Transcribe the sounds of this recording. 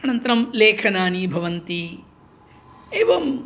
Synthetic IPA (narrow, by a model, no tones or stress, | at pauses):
ɐnɐnt̪ɾɐmleːkʰɐnaːnibʱɐʋɐnt̪i | eːʋɐm